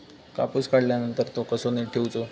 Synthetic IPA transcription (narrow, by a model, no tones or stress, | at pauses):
kapuskaɽljanənt̪əɾt̪okəsoneʈʰːewut͡so